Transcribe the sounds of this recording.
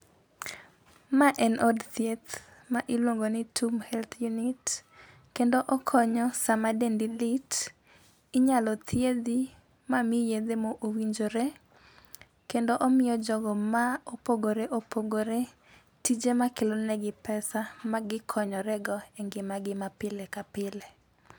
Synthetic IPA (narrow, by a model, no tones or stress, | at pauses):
maʔɛnʔodt̪jet̪ | maʔɪlwoŋɡonɪtʰumhɛlt̪ʰjunɪt | kendoʔɔkʰɔɲɔsamadendilɪt | ɪɲalɔt̪ʰjed̪i | mamɪjed̪emoʔowiɲd͡ʒoɾe | kendoʔɔmɪjɔd͡ʒɔɡɔmaopoɡoɾeʔopoɡoɾe | tid͡ʒemakɪlonɛɡɪpɛsamaɡɪkʰɔɲɔɾɛɡɔɛŋɡɪmaɡɪmapɪlekapɪle